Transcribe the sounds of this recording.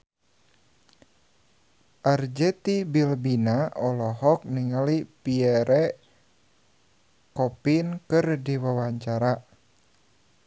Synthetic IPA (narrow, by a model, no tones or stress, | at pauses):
ʔard͡ʒɛt̪ibilbinaʔɔlɔɦɔk̚niŋalipiɛɾɛ | kɔpinkɨrdiwawaɲt͡ʃaɾa